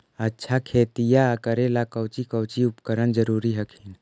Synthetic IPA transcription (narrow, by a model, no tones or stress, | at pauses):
ətːʃʰakʰeːt̪ijaəkəɾelakəwt͡ʃikəwt͡ʃiʊpkəɾənd͡ʒəɾuːɾiɦəkʰin